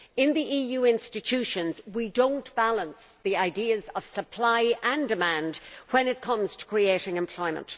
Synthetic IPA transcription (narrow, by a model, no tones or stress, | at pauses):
ɪ̃nðiʔijʉɪ̃nstɨtʰʉʃə̃nzwidõʊ̃nb̥alˠə̃ns | ðiaɪdiɨzəv̥səpʰl̥aɪə̃ndɨmæ̃ndwə̃nɨt̚kʰʌ̃mz̥tʰə̥kʰɹ̥ieɪɾɪ̃ŋɨ̃mpʰl̥ɔɪmə̰̃nt